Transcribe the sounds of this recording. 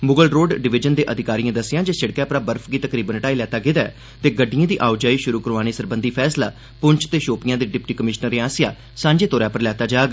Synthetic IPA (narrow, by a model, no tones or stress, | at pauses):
mʊɡəlɾoːɖɖɪʋɪd͡ʒənd̪eːʔəd̪ʱɪkaːɾijãːd̪əsːɪjãːd͡ʒeːsɪɽkjãːpɾaːbəɾpʰɡiːt̪əkɾiːbənʈaːiːlɛːt̪aːɡɪd̪aː | t̪eːɡəɖːɪjãːd̪iːʔaːʊd͡ʒaːiːʃʊɾuːkəɾʋaːñiːsəɾbənd̪iːpʰɛːsla̰ː | pʊɲt͡ʃʰt̪eːʃoːpɪjãːd̪eːɖɪpʈiːkəmɪʃnəɾeãːsɪjaː | sãːɲd͡ʒeːt̪oːɾjaːpəɾlɛːt̪aːd͡ʒaːɡ